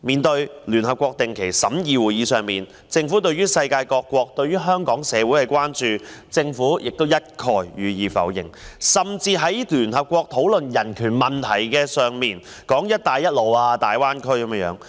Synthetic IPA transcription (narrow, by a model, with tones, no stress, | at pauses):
miː˨˧nt̪ɵ˧ɥlyː˨˩nɦɐ˨p̚kʷwɔː˧k̚t̪ɪ˨ŋkʰe˨˩jsɐ˨˥mjiː˨˧wuː˨˩jiː˨˧sœː˨˧ŋmiː˨n | t͡sɪ˧ŋfuː˨˥t̪̬ɵ˧ɥyː˥sɐ˧jkaː˧jkɔː˧kʷːwɔː˧k̚t̪ɵ˧ɥyː˥ɦœː˥ŋkɔː˨˥ŋsɛː˨˧wu˨˥jhɐ˨jkʷwaː˥nt͡ʃyː˨˧t͡sɪ˧ŋfuː˨˥jɪ˨k̚t̪wjɐ˥t̚kʰɔː˨˩jjyː˨˧jiː˨fɐ̰˨˥wjɪ̰˨˩ŋsɐ˨mt͡siː˧ɦɐ˨˥jlyː˨˩nɦɐ˨p̚kʷɔː˧k̚t̪ʰo˨˥wlɵ˨njɐ˨˩nkʰyː˨˩nmɐ˨nt̪ʰɐ˨˩jkɛː˧sœː˨ŋmiː˨n | kɔː˨˥ŋjɐ˥t̚t̪aː˨˧jːɐ˥t̚lo˨waː˧t̪aː˨jwaː˥nkʰɵ˥ɥkɐ˨˧m˥jœː˨˥ŋ